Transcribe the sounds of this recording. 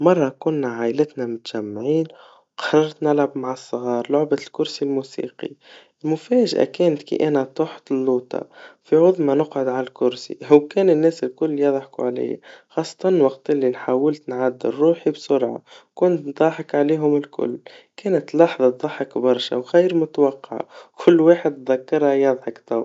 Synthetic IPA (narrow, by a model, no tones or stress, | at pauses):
mɑrˤːɑkʊnːæʕaʔɪlɪt̪næmʊt̪ʒ̥æmːʕiːn | wqɑ̥ɾˤɑɾˤt̪nɪlʕabmaʕəsˤːɣɑːɾˤlʊʕbalkʊɾsilmuːsḭːqḭ | ɪlmʊfæːʒʔæ̰kɛːnt̪kḭʔænæt̪ˤoħt̪ɪlːuːt̪ɑ̰fiʕʊðˤmɑnʊqʕʊd̪ʕalælkʊɾsḭhʊwkɛːnɪnːæːsɪlkʊlːjɑðˤħkṵʕlɪ̰j̰ːxɑːsˤːɑ̥t̪ˤɑnwɑqt̪ʔɪlːinħawːɪlt̪nʕad̪ːɪrˤːuːħibsʊɾʕa̰kʊnt̪d̪ˤɑːħɑkʕaliːɦʊmɪlkʊ̰lːkæːnət̪lɑħðˤɑt̪̚d̪ˤɑħɑkbɑɾˤʃæ̰wxijɾmʊt̪wɑqːɑ̰ʕ̰kʰʊlːwaːħəd̪t̪ðækːɑɾˤhajɑðˤħɑkt̪aw